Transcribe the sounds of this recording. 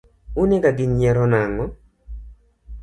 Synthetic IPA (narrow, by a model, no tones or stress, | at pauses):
uneɡaɡɪɲjɛɾɔnaŋɔ